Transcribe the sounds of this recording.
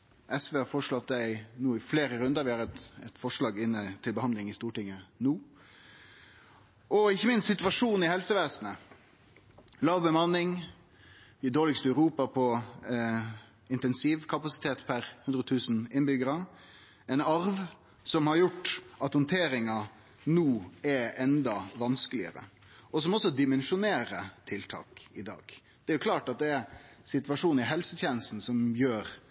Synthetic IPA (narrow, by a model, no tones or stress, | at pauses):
ʔɛsʋeːhɑɾfɔʂɭɑt̪̚d̪æɪnuːɪfleːɾəɾʉnd̪əɾʋɪhɑɾɛt̪ɛt̪fɔʂɭɑːɡɪnːət̪ʰɪlbəhɑnd̪lɪŋɪst̪uːʈɪŋːənuː | ɔɪçːəmɪnst̪sɪt̪ʋɑʂuːnɪhɛlsəʋeːsnə | lɑːʋbəmɑnːɪŋ | ɪd̪oːlɪkst̪œʉɾuːpɑpʰɔ | ɪnt̪ɛnsiːʋkʰɑpɑsɪ̥t̪ʰeːt̪pʰæɾhʉnd̪ɾət̪ʰʉːsn̩ɪnbʏɡəɾɑ | ɛnɑɾʋ | sɔmhɑɾjʊʈːʔɑt̪hʊnt̪ʰeːɾɪŋɑ | nuːɛɛnd̪ɑʋɑnskəlɪə̰ɾə̰ | ɔsɔmɔsːɔd̪ɪmɛnʂʊneːɾət̪ʰɪlt̪ʰɑ̰ːkɪd̪ɑ̰ːɡ̥ | d̪̥ɛæɾjʊkʰlɑːʈɑt̪̚d̪ɛæsɪt̪ʋɑʂuːn̩ɪɦɛlsət̪jeːnəst̪n̩sɔmjøːɾ